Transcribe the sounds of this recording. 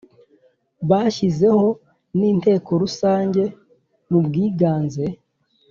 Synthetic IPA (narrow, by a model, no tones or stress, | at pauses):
βaːʃize̞ho̞ | niːnte̞ːko̞ɾusaːɲɟe̞ | nubɡiːɡaːnze̞